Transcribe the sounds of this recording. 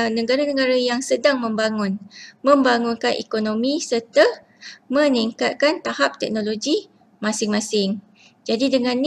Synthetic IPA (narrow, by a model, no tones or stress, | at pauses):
nə̃ɡaɾanə̃ɡaɾajaŋsədaŋmə̃mbaŋʊnmə̃mbaŋʊnkanʔɛ̰konomĩsərt̪a | mə̃niŋkat̪̚kant̪ahap̚t̪ɛk̚nõloɡi | mãsɪŋmãsɪŋ | d͡ʒadidəŋãnː